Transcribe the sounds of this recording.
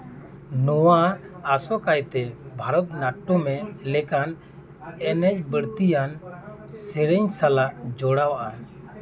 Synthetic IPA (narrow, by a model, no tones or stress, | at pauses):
nɔwaːsɔkajt̪ɛbʱaɾɔt̪̚naʈːɔmɛlɛkan | ɛnɛc̚bəɽt̪ijan | sɛɾɛɲsalaʔd͡ʒɔɽawaʔa